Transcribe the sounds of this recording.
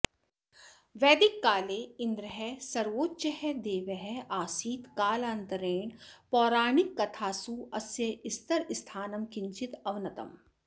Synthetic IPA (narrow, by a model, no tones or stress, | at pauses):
ʋɛːd̪ikːaːleːɪ̃nd̪ɾɐɦɛsɐɾʋoːtːʃɐɦɛd̪eːʋɐɦɛaːsiːt̪kaːlaːnt̪ɐɾeːɳpɔːɾaːɳikːɐt̪ʰaːsuːɐsjɐɪst̪ɐɾɪst̪ʰaːnɐmkɪɲt͡ʃit̪ɐʋnɐt̪ɐ̰m